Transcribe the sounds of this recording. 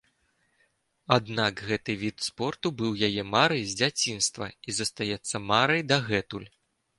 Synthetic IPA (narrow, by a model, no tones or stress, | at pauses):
ad̪nakɣɛt̪ɨvʲit̪spɔrt̪ubɨwjajɛmaɾɐjzʲd͡zʲat͡sʲinst̪vɐ̰izɐst̪ajɛt̪sːɐmaɾɐjd̪aɣɛt̪ulʲ